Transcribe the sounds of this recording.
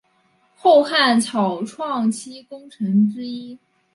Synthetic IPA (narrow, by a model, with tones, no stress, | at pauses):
xo˥˧ʊxa˥˩nt͡sʰɑ˨˩ʊʈ͡ʂʰwɑ˥˩ŋt͡ɕʰi˥kʊ˥ŋʈ͡ʂʰɤ˧˥ŋʈ͡ʂɻ̩˥i˥